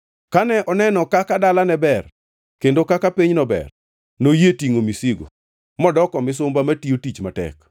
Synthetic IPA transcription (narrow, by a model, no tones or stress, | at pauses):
kanɛʔɔnɛnɔkakadalanɛbɛr | kendokakapiɲnɔbɛ̰r | nojetiŋomisiɡo̰ | mɔdɔkɔmɪs̬ʊmbamatiotit͡ʃmatɛ̰k